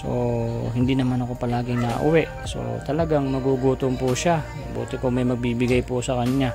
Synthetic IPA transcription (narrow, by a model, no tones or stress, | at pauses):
so̞̰ɦɪnd̪inɐmanɐko̞pɐlaːɡɪŋnɐ̰ʔʊ̰wɛʔ | so̞̰t̪ɐlɐɡaŋmɐɡuːɡuːt̪oŋpʊʃa | bṵːt̪ɪkomɐjmɐɡ̚biːbɪɡajpʊsɐkɐɲɲa